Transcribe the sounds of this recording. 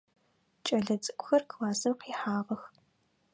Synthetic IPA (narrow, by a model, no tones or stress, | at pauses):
t͡ʃʼɐɮɐt͡sʼɨkʷʼʊxɐrklaːzɨmqiːħaːʁɐx